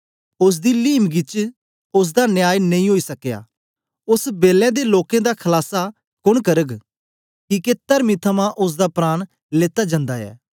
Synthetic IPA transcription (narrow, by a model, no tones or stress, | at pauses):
ʊs̬d̪iːliːmɡɪt͡ʃ | ʊs̬d̪aːnjaːjnɐĩːɦoːiːsɐkja̰ː | ʊsbeːlɛ̃ːd̪eːloːkẽːd̪aːkʰəlaːsa | kʊɽ̃kəɾəɡ | kiːket̪əɾmit̪ʰəmãːʔʊs̬d̪aːpɾaːɽ̃ | leːt̪aːd͡ʒãːnd̪aːɛ̰ː